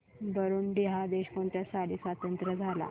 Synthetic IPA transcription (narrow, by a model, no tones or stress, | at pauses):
b̪əɾuːnbiɦad̪eɕkoɳt̪jasaliːsʋat̪ənt̪ɾəd͡zʱala̰